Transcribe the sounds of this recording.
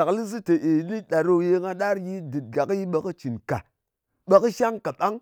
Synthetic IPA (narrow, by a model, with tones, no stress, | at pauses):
a˨kli˦zi˦te˨ʔe˨˦ni˦ɗa˨ɾo˦˧je˧ŋa˧ɗa˦ɾji˦di˨t̚ɡa˨kji˦ɓə˨ki˦t͡ʃi˨nka˨ | ɓa˦ki˦ʃa˦ŋka˨ɓa˦ŋ